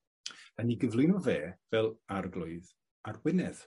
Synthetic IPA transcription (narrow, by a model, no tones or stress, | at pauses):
aniɡəvlˠɪnɔveːvɛlˠarɡlˠʊɨð | arwɪnɛð̥